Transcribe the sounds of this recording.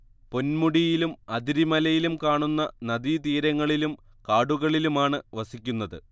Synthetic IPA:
po̞nmuɽijilumɐd̪iɾimɐlɐjilumkaːɳunːɐnɐd̪it̪iːɾɐŋːɐɭilum | kaːɽuɣɐɭilumaːɳɨʋɐsikʲːunːɐðɨ

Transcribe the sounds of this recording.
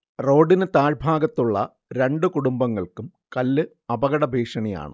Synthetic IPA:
ro̞ːɖinɨt̪aːɻbʱaːɡɐt̪ːuɭːɐ̰ | ɾe̞ɳɖɨkuɽumbɐŋːɐɭkum | kɐlːɨ | ɐbɐɣɐɽɐbʱiːʂɐɳija̰ːɳɨ̰

